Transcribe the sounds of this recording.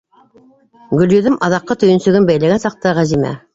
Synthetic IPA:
ɡɵ̆ljɵ̆ðɘmʔɑðɑqːɑt̪ɵ̆jɵ̆nsɵ̆ɡɘnbæjlæɡænsɑq̚t̪ɤʁæzimæ̰

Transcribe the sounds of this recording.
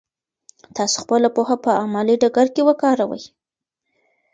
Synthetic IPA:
t̪ɑso̥xpəlapohapəamɑliɖaɡaɾkewəkɑɾawə̰j

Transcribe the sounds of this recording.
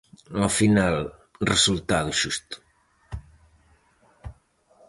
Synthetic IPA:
afinalresult̪aðuʃust̪u̥

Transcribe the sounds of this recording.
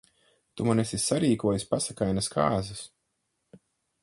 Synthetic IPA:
t̪umanɛsʲisaɾiːkuɔjuspasakajnaskʰaːzɐs

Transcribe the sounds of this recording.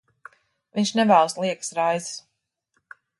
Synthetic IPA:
viɲʲʃnɛvæːlˠslˠiɛksɾajzs

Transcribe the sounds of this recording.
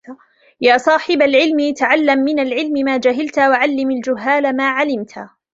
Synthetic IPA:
jaːsˤɑːħɪbalʕɪlmit̪aʕalːamːɪnalʕɪlmɪmaːd͡ʒaɦɪlt̪waʕalːɪmald͡ʒʊɦːaːlamaːʕalɪmt̪ʰa̰

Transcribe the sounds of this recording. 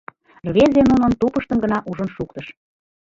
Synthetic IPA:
rβezenunənt̪upəʃt̪əmɡə̆nɑʔuʒənʃukt̪ɤ̆ʃ

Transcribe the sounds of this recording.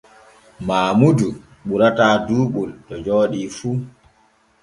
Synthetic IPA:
maːmudu | ɓuɾataːduːɓultɔd͡ʒɔːɗiːfuː

